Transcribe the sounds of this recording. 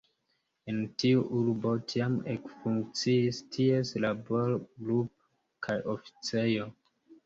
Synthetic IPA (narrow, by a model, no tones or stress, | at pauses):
entiuʔuɾbo̞tʰiamḛkfuŋk̚t͡siːstʰie̞slabo̞ɾɡlup̚ | kʰajʔofi̥t͡se̞jo̞